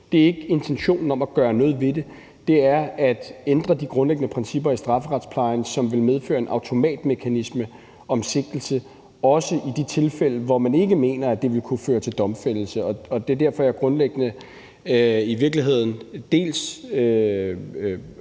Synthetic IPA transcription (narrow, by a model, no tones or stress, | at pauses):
d̥e̝æɐe̝ɡ̥əe̝nt͡sʰenɕo̝̰ːnn̩ɒ̽mæɡ̥ɶːɐnɔ̽ːð̩ˠʋe̝de̝ | d̥e̝æɐæd̥end̥ʁɐd̥iɡ̥ʁɔ̽nleɡ̥ənəpʰʁɛnsib̥ɐisd̥ʁɑ̈fəʁɑ̈d̥spʰlɑ̈ɪnsɒ̽mʋe̝lmeð̞ˠfø̰ːɐe̝nʔɑ̈ʊt͡sʰo̝mɛ̰ːd̥mekʰænismə | ɒ̽mse̝ɡ̥̚l̩sə | ɒ̽səʔid̥it͡sʰe̝lfel̰əʋɒmæne̝ɡ̥əme̝̰ːnɐæd̥e̝ʋe̝lkʰuføːɐt͡sʰe̝ld̥ɒ̽mfel̰l̩səɒ̽ɒ̽d̥ed̥æɐ̰fɒ̽æɐɡ̥ʁɔ̽nleɡ̥ənə | iʋiɐɡ̥liɦe̝ð̞̰ˠn̩d̥e̝̰ːlsø